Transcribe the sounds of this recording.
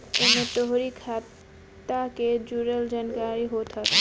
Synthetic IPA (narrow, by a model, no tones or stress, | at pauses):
emet̪oɦɾikʰa | t̪aked͡ʒuɾəld͡ʒaːnkaɾiɦot̪ɦət̪